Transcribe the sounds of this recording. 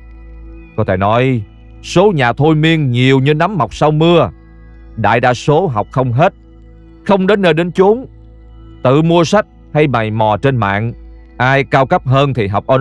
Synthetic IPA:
kɔ˨˦t̪ʰe˧˩nɔ˨˦j | so˨˦ɲaː˨˩t̪ʰo˧jmi˧əŋɲi˨˩əwɲɨ˧na˨˦mːa˨˩wk͡p̚sa˧wmɨ˧ə | ɗa̰ː˧˨jɗa̰ː˧so˨˦ɦa˨˩wk͡p̚xə˧wŋ͡mɦe˦˥t̚ | xə˧wŋ͡mɗe˨˦nːəː˧jɗe˨˦nt͡ɕu˨˦əŋ | t̪ɨ̰˧˨mu˧əsa˦˥k̚ | ha˧jma˨˩jmɔ˨˩t͡ɕe˧nma̰ː˧˨n | ʔaː˧jkaː˧wkə˦˥p̚ɦəː˧nt̪ʰi˨˩ɦa˨˩wk͡p̚ʔə˧

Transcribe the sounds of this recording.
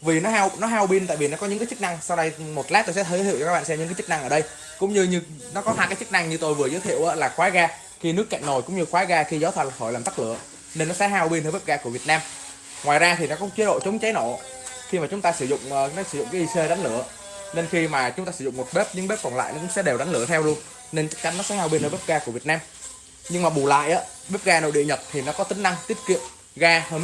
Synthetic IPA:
vi˨˩nɔ˨˦ɦa˧wnɔ˨˦ɦaː˧wɓi˧nt̪a̰ː˧˨jvi˨˩nɔ˨˦˥kɔ˨˦ɲɨ̰˧ŋkaː˨˦t͡ɕɨ˦˥k̚na˧ŋsa˧wɗa˧jmo˨˩t̚laː˦˥t̪o˧jsɛ̰˧˥t̪ʰəː˧˦ḭ˧˨wɔ˧k̚ːɓa̰ː˧˨sɛ˧mɲɨ̰˧˥ŋkːaː˨˦t͡ɕɨ˦˥k̚na˧ŋʔəː˧˩ɗə˧j | kʊ̰˧˥ŋ͡mɲɨ˧ɲɨ˧ | nɔ˨˦kɔ˨˦aː˧kaː˨˦jt͡ɕɨ˦˥k̚na˧ŋɲɨ˧t̪o˧jvɨ˨˩əzəː˨˦jt̪ʰḭ˧˨əʔəː˨˦laː˨˩xwaː˨˦ɣaː˧ | xi˧nɨ˦˥əkːa̰˧˨ŋ̟no˨˩jkʊ̰˧˥ŋ͡mɲɨ˧xwaː˨˦ɣaː˧xi˧zəː˨˦t̪ʰa˨˩lʰo˧˩jlaː˨˩mt̪ə˦˥lɨ̰˧˩˨ə | ne˧nːɔ˨˦sɛ̰˧˥ɦaː˧wɓi˧nəː˧˦ɓe˦˥p̚ɣaː˧ku˧˩əvi˨˩ət̚naː˧m | ŋwaː˨˩jzaː˧t̪ʰi˨˩nɔ˨˦kʊ̰˧˦t͡ɕi˨˦əɗo̰˧˨t͡ɕə˨˦wŋ͡mt͡ɕa˨˦jno˧˩˨ | xi˧maː˨˩t͡ɕʊ˨˦ŋ͡mt̪aː˧sɨ˧˩zʊ̰˧˨ŋ͡mnɔ˨˦sɨ˧˩zʊ̰˧˨ŋ͡mkaː˨˦ʔi˧se˧ɗa˨˦ŋ̟lɨ̰˧˩˨ə | ne˧nxi˧maː˨˩t͡ɕʊ˨˦ŋ͡mt̪aː˧sɨ˧˩z̰ʊ̰˧˨ŋ͡mmo˨˩t̚ɓe˦˥p̚ɲɨ̰˧ŋɓe˦˥p̚kɔ˨˩nla̰ː˧˨jnɔ˨˦kʊ̰˧˥ŋ͡msɛ̰˧˥ɗe˨˩wɗa˨˦ŋ̟lɨ̰˧˩ət̪ʰɛ˧wlu˧ən | ne˧nt͡ɕa˦˥k̚t͡ɕa˨˦ŋːnːɔ˨˦sɛ̰˧˥haː˧wɓi˧nəː˧˩veː˦˥p̚ɣaː˧ku˧˩vi˨˩ət̚naː˧m | ɲɨ˧ŋmaː˨˩ɓu˨˩la̰ː˧˨jʔaː˨˦ | ɓe˦˥p̚ɣaː˧no̰˧˩ɗḭ˧˨ɲə˨˩t̚t̪ʰi˨˩nɔ˨˦kɔ˨˦t̪ï˨˦ŋ̟na˧ŋt̪i˦˥ət̚kḭ˧˨əm | ɣaː˧həː˧

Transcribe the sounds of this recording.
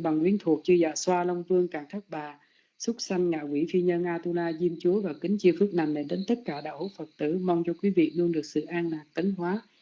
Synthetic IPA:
ɓa˨˩ŋhwi˨˧˦ənt̪ʰu˨˩ək̚t͡ɕɨ˧za̰ː˧˨˩swaː˧lə˧wŋ͡mvɨ˧əŋkaː˧˩ŋt̪ʰa˦˥k̚ɓaː˨˩ | sʊ˦˥t̚sa˧jŋ̟ŋa̰ː˧˨kwi˧˩fi˧ɲə˧nʔaː˧t̪u˧laː˧zi˧mt͡ɕu˨˦əvaː˨˩kï˨˦ŋ̟t͡ɕi˧əfɨ˦˥k̚na˨˩jmne˨˧˩ɗe˨˦nt̪ə˦˥t̚kaː˧˩ɗa̰ː˧˩ho˧˥t̚fə˨˩t̚t̪ɨ̰˧˩ma˧wŋ͡mt͡ɕɔ˧kwi˨˦vḭ˧˨lɨ˧əŋɗɨ˨˩ək̚sɨ̰˧˨ʔaː˧nlaː˨˩k̚t̪ə˨˦ŋɦwaː˨˦

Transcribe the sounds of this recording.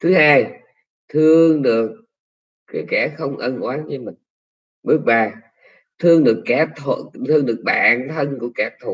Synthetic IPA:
t̪ʰɨ˨˦haː˧j | t̪ʰɨ˧əŋɗɨ˨˩ək̚ː | aː˨˦jkɛ˧˩xə˧wŋ͡mʔə˧nʔwaː˨˦nɲə˧mï˨˩ŋ̟ | ɓɨ˦˥ək̚ɓaː˧˩ | t̪ʰɨ˧əŋɗɨ˨˩əkːa˧˩t̪ʰo̰˧˨t̪ʰɨ˧əŋɗɨ˨˩ək̚ɓa̰ː˧˨nt̪ʰə˧nku˧˩əkaː˧˩t̪ʰu˨˩

